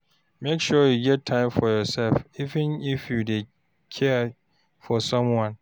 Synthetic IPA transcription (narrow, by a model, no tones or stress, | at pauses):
mekʃɔjuɡɛt̚tʰːãɪ̃mfɔjɔsɛlfivɨ̃nifjude | kʰɛ | fɔsɔ̃mwɔ̃n